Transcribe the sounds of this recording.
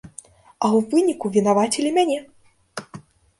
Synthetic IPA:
ɐwvɨnʲikuvʲin̪avat͡sʲilʲimʲanʲɛ

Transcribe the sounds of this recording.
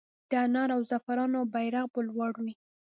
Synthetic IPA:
d̪̥əanɑɾawzafaɾɑnobajɾaɣbolwɑɽuni

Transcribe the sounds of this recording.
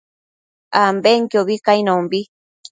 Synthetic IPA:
ambeŋkjoβikainõmbi

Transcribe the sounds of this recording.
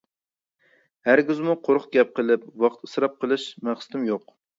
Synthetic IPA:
hæɾɡʲyzmuqʰoɾχɡʲɛp̚qəlˠɪp̚wɑqt̪ɨ̥sɾɑp̚qʰəlˠɨʃmæχsɨ̥t̪ʰɪmjoq

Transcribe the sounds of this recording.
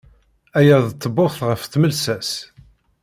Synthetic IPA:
æjæðt͡s̪ˤːəboθʁəfθməlsæs

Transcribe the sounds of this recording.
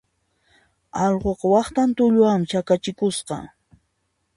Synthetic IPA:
ɑʎɢoqɑwɑχt̪ant̪ʊʎʊamt͡ʃakat͡ʃɪkʊsqɑ̰

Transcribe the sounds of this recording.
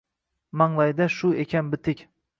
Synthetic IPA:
maŋlˠajd̪aʃʊekʲʰanbɪt̪ʰɪkʲ

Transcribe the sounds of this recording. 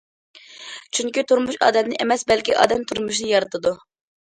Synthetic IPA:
t͡ʃʰyŋkʲit̪uɾmuʃɑ̰ːd̪ɛmnɪʔemɛsbɛlkʲiʔɑ̰ːd̪ɛmt̪ʰuɾmuʃ̬nɨjɑɾɨt̪ʰɨd̪u

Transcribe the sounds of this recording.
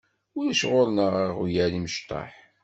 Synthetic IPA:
ʊɾəʃʁoʊɾnəʁiʁjæliməʃt̪ˤɑ̰ħ

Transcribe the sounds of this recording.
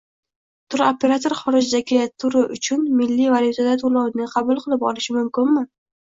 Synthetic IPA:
t̪ʰʊɾopʰe̞ɾat̪ʰoɾχɒɾɪd͡ʒd̪akʲʰat̪ʰːʊɾɪʔʊt͡ʃʰʊnmɪlːivaljʊt̪ʰad̪at̪ʰolˠawnɪqʰɑbʊlˠqʰɨlˠɪpɒlɪʃɪmʊmkʲɪnmɪ

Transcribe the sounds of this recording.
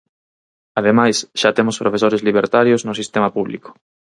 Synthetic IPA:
að̞emajsʃat̪emospɾʔofesoɾezliβ̞eɾt̪aɾjoznʊsist̪emapuβlḭko̥

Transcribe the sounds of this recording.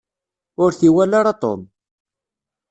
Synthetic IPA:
ʊɾθiwælaɾɑt̪ˤo̰n

